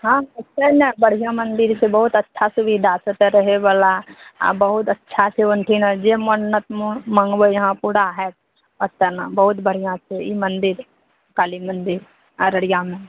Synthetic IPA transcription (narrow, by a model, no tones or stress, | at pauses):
ɦãːɐtːt͡ʃenɛbəɽ̤ijãmɐnd̪ɪɾsebɐɦʊt̪ətːʃʰasʊʋid̪ʱaːsət̪ɾəɦebəla̰bɐɦʊt̪ɐtːʃʰaseːʋə̃nt̪ʰinad͡ʒemənːət̪mmə̃ŋɡʋəjɐɦãpuːɽaɦɛt̪ | ət̪ːənabɐɦʊt̪bəɽ̤ijãsʰeimɐnd̪ɪɾ | kaːlimə̃nd̪ɪɾ | ɾəɽijãmẽ